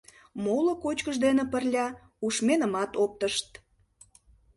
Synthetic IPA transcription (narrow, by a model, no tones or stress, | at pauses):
molokot͡ɕkəʒd̪enĕpərlʲɑ | uʃmenəmɑt̪op̚t̪əʃt̪̚